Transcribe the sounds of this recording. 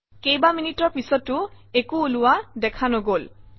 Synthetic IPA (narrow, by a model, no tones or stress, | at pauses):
kejbaminitɔɹpisɔtːʊ | ekuːlʊwadɛkʰanoɡol